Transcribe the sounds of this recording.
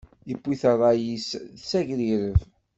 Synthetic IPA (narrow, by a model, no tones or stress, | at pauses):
jəpːiθərˤːɑjissæʝɾiɾəv